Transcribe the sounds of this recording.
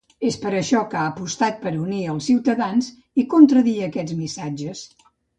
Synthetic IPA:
espəɾəʃɔkaəpust̪at̪̚pəɾuniəlˠsiwt̪əðanz | ikunt̪ɾəðiəkɛd͡zmisad͡ʒəs

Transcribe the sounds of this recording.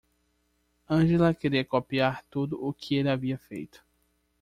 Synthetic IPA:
ɐ̃ʒelɐkeɾiɐkopiaɾt̪ud̪ʊʔːkʰɪelɪaviɐfejt̪ʊ̥

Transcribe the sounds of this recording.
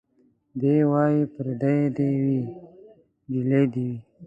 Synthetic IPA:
b̪ewɑːjipəɾd̪ajed̪ewi | d͡ʒiled̪iwi

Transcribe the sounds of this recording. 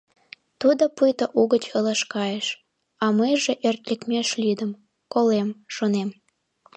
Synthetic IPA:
t̪ud̪opujt̪oʔuɣət͡ɕələʃkɑjeʃ | ɑməjʒeʔert̪lʲekmʲeʃlyd̪əm | kolemʃonem

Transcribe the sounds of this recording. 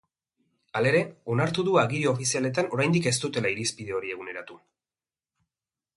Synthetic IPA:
ale̞ɾe̞o̞naɾt̪uðuaɣiɾiofisiale̞t̪ano̞ɾajnd̪ike̞st̪ut̪e̞laiɾispið̞e̞o̞ɾie̞ɣune̞ɾat̪u

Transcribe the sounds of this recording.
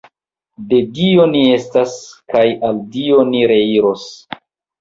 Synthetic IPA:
de̞dio̞nie̞staskajaldio̞niɾe̞iɾo̞s

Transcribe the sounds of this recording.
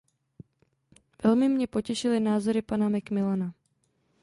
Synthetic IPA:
vɛlmɪmɲɛpo̞cɛʃɪlɪnaːzo̞ɾɪpanamɛkmɪlana

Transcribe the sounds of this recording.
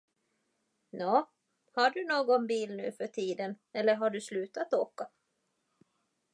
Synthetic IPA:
nɔː | haɖɵnoːɡɔnbiːlnʉ̟ːfœʈʰiːd̪ən | ɛlːəɾɦaɖɵslʉ̟ːt̪at̪oːka

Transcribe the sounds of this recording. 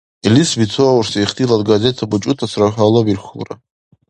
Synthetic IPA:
ilisvit͡sʰoawrsajiχtʰiladɡazetʰabut͡ʃʼʊtʰasraħʲʷᶣalˠobirχulra̰

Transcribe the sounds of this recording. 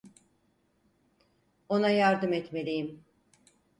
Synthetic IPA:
o̞najaɾd̪ɯmɛt̪me̞lʲijim

